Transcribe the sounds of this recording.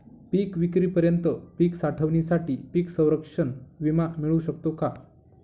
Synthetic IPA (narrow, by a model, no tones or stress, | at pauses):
piːkʋikɾiːpəɾjənt̪əpiːksaʈʰəʋnisaʈiːpiːksə̃w̃ɾəkʂənʋimamiɭuɕəkt̪oka